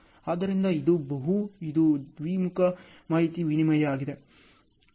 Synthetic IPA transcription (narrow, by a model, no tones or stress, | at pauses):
aːd̪ɐɾind̪ɐid̪ubɐɦuid̪ud̪ʋiːmukɐ | maːɦit̪iʋinimɐjɐaːɡid̪e̞